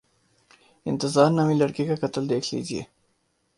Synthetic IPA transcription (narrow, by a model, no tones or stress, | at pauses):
ɪ̰nt̪ɪzɑːɾnamilaɽkikakat̪əld̪eːkʰlḭziḛ